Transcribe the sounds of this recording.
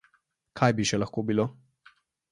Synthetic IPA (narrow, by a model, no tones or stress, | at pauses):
kʰajbiʃɛlaxkobilo